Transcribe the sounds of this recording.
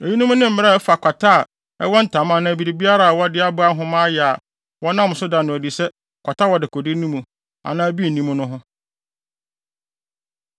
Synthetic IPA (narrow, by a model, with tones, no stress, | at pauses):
e˨ji˦nũ˦mũ˦nɪ̃˦m̩˦mɪ̃˦a˦ɛ˦fa˨kʷa˨tʰa˦˨ | ɛ̰˦wɔ˦n̩˨tʰã˨˦mã˦nã˦æ˨bi˨ɾi˨bi˦a˦ɾa˨a˨wɔ˦dɪ˦a˦bʊ˦a˦ɦʊ̃˦mã˦jɛ˨a˨ | wɔ˦nã˦m˨sʊ˦dã˨n˨nʊ̃˨di˨sɛ˦ | kʷʰa˨tʰa˦wɔ˨dɪ˨kʰɔ˨dɪ˦nĩ˦mũ˨ | a̰˨nã˦æ˦bi˦˨nĩ˦mũ˦nʊ̃˦ɦʊ̃˦